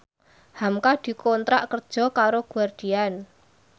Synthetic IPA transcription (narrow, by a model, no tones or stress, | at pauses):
hamkad̪̥i̤kɔnt̪ɾaʔkərd̥ʒ̥ɔ̤kaɾoɡ̥uward̪̥i̤an